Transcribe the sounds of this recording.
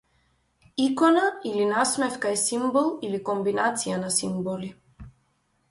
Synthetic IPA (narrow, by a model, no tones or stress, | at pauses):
ikɔnailinasmɛfkaɛsimbɔlˠilikɔmbinat̪sijanasimbɔli